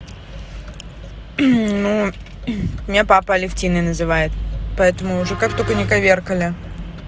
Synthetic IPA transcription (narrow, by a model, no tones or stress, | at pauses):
nu | mnʲapapəɐlʲɪftʲinːəjnəzɨvajɪt̪pɐɛt̪əmʊːʐɛkak̚t̪okənʲɪkɐvʲerkəlʲɪ